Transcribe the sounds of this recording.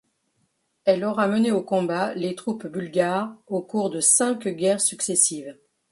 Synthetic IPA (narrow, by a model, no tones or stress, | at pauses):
ɛlɔʁaməneokɔ̃balet̪χupbylɡʲaʁokuʁd̪əsɛ̃kɡʲɛʁsyksesiv